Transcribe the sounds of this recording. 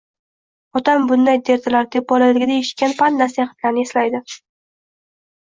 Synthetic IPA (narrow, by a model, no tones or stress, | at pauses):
ɒt̪ambʊnd̪ajd̪e̞ɾt̪ʰalaɾt̪ʰepbɒlajlɪɡʲɪd̪ajeʃɪ̥kʲanpanːnasajaχɪ̥t̪lʲaɾnɪe̞slajd̪ɪ